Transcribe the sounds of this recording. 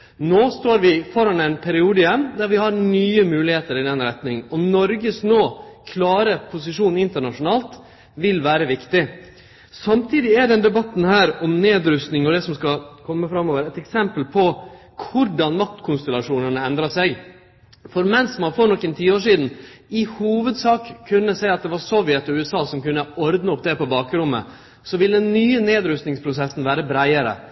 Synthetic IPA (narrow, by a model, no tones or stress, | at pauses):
noːst̪oːɾʋɪfɔɾhɑnæɪnpʰɛɾɪuːd̪əjɛmːd̪æɾʋɪhɑɾnyːəmʉːlɪheːt̪əɾɪnɛnɾɛt̪nɪŋɔmnɔɾɡəsnoːkʰlɑːɾəpʰʊsɪʂuːnɪnt̪əɳɑʂʊnɑːlt̪ | ʋɪlʋæːɾəʋɪkt̪ɪ | sɑmt̪ʰiːd̪ɪæɖ̪ɛnd̪ɛbɑt̪ːn̩hæːɾɔmneːd̪ɾʉst̪nɪŋɔd̪ɛsɔmskɑkʰɔmːəfɾɑmːoːʋəɾɛt̪ɛksɛmpəlpʰɔ | kʰʊɾɖɑnmɑt̪ːkʰʊnst̪ɛlɑʂuːnənəɛnd̪ɾɑsæɪɡ | fɔɾmɛnsmɑnfoːɾɳɔkːɛnt̪ʰiːəoːʂiːd̪n̩ɪhuːʋəd̪sɑːkʰːʉnːəsæɪɑt̪̚d̪ɛʋɑɾsɔʋjɛt̪ːɔʉːɛsɑːsɔmkʉnːəɔɾd̪nəɔp̚ːd̪ɛpɔbɑːkəɾʊmːə̰ | sɔʋɪld̪ɛnːyːəneːd̪ɾʉst̪nɪŋspʰɾʊsɛsːn̩ʋæːɾəbɾæɪəɾə̰